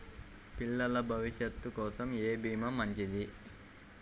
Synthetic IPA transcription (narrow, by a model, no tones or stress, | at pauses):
piɭːɐlɐbʱɐʋiʂjɐt̪ːukɔːsɐmeːbʱiːmɐmɐɲt͡ʃid̪i